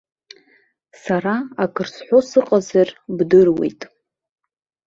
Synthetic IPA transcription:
saɾaakʰɨrsħʷosɨqʼazarbdɨrwḛjtʼ

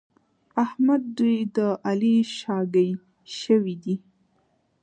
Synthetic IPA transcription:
ahmad̪̚ːujd̪əʔaliʃɑɡəj | ʃəwid̪i

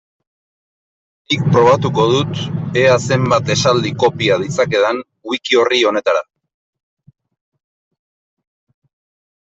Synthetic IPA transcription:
ik̚pɾo̞β̞at̪uko̞ð̞ut̪e̞ase̞mbat̪e̞sald̪iko̞piað̞it͡sake̞ðan | wikio̞rio̞ne̞t̪aɾa

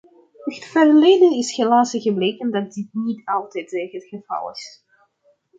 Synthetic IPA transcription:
əətfərlejdənɪsɣəlaːsiɣəbleːkəndɑt̚dɪt̚nitɑlˠtɛjtɛɣətχəv̥ɑ̰lˠɪ̰s

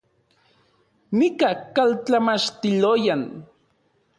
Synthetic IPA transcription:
mikakalt͡ɬamat͡ʃt̪ilojan

